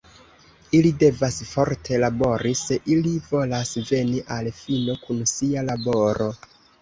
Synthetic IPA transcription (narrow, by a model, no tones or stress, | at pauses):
ilide̞vasfo̞ɾtʰe̞labo̞ɾise̞ʔilivo̞lasve̞niʔalfino̞kunsialabo̞ɾo̞